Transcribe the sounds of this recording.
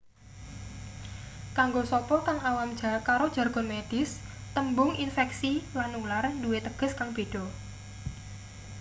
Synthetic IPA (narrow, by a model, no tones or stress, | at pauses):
kaŋɡosɔpɔkaŋawamd̥d͡ʒ̥akaɾod̥ʒ̥a̤rɡ̥ɔ̤nmed̥ɪs | t̪əmbʊŋinfɛksilanːularduwet̪əɡ̥ə̤skaŋb̥e̤ɖ̥ɔ̤